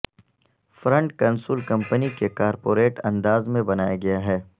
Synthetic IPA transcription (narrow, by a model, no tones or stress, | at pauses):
fɾɐ̃ɳʈ̚kɐnsuːlkɐ̃mpənikekaːɾpoːɾeːʈɐ̃nd̪aːzmẽbɐnaːjaɡɐjaɦɛː